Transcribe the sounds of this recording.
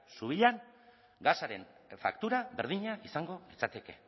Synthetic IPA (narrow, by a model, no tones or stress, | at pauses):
suβiʎan | ɡasaɾe̞nfa̰kt̪uɾaβe̞ɾðiɲaʔisaŋɡo̞lit͡sat̪eke̞̰